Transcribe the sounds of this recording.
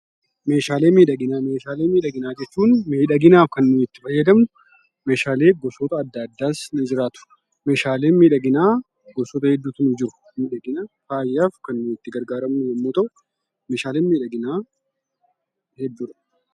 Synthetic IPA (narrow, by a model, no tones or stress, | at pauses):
me̞ːʃaːle̞ːmiːᶑɐɡɪnaːme̞ːʃaːle̞ːmiːᶑɐɡɪnaːd͡ʒɛt͡ʃːuːnmeːᶑɐɡɪnaːfkɐnːuːɪt̪ːɪfɐjːɐd̪ɐmnʊ | me̞ːʃaːleːɡɔsɔt̪ɐːd̪ːad̪ːaːsnɪd͡ʒɪɾaːt̪ʊ̥ | me̞ːʃaːle̞ːnmiːᶑɐɡɪnaː | ɡɔsɔːt̪ɐhɛd̪ːuːt̪ʊnɪd͡ʒɪɾʊ̥ | miːᶑɐɡɪnɐfaːjːaːfkɐnːuːɪt̪ːɪɡɐɾɡaːɾɐmnʊjɐmːoːt̪ɐʔʊ | me̞ːʃaːle̞ːnmiːᶑɐɡɪnaː | hɛd̪ːuːɾɐ̥